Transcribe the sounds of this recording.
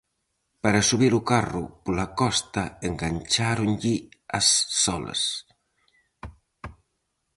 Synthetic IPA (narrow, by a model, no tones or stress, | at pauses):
paɾasuβiɾukarṵpulakɔst̪aeŋɡaɲt͡ʃaɾunʎiasːɔlɐ̰s